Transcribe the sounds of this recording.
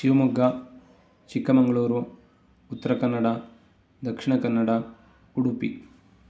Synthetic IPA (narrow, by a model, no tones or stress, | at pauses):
ʃiʋɐmuɡːɐ | t͡ʃikːɐmɐŋɡɐɭuːɾuː | t̪ːɐɾɐkɐnːɐɽɐ | d̪ɐkʂiɳɐkɐnːɐɽɐ | uɽupḭ